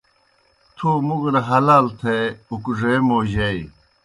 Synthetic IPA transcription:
t̪ʰuːmuɡɾɐɦɐlaːlt̪ʰeukʐeːmoːʑei

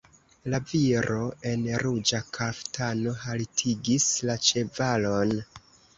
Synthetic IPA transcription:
laviɾo̞e̞nɾud͡ʒakʰaftano̞haltʰiɡislat͡ʃe̞valo̞n

